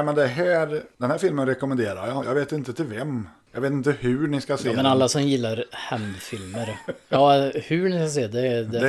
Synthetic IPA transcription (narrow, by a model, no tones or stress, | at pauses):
mɛnd̪ɛɦæːɾd̪ɛnhæːɾfɪlmənɾɛkɔmənd̪eːɾa̰jɑjɑ̰ːɡveːt̪ɪnt̪ət̪ʰɪlvɛmjɑɡveːt̪ɪnt̪əhʉɳɪskaseːmɛnalːasɔmjɪlːaɾhɛnd̪fɪlməɾɑːhʉɳɪskas̬eːd̪ɛd̪ɛ